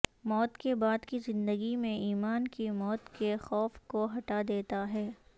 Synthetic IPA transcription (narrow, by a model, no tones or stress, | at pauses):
mɔːt̪kebaːd̪kizɪ̃nd̪əɡimẽiːmaːnkimɔːt̪kexɔːfkoɦɐʈad̪eːt̪aɦɛː